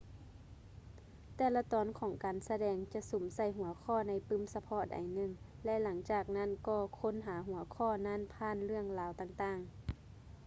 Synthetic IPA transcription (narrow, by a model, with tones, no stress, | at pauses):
t̪ɛː˧˩la˧t̪ɔː˨˦nkʰɔː˨˩˦ŋkaː˨nsa˧dɛː˧˩ŋt͡ɕa˧˨so˨˩˦msa˧˩jɦu˨˩˦ɐkʰɔː˧˩˨na˧˩jpɯ˧˥˨msa˧pʰɔ˧˥˨ʔa̰˨jnɯ˧˨ŋlɛ˧˨la˩˦ŋt͡ɕaː˨˩k̚na˧˥˨nkɔː˧˩kʰo˧˥˨nɦaː˩˦ɦu˩˦ɐkʰɔː˧˥˨na˧˥˨npʰaː˧˥˨nlɯ˥˩əŋlaː˨˦wt̪aː˧˨ŋt̪aː˧˩ŋ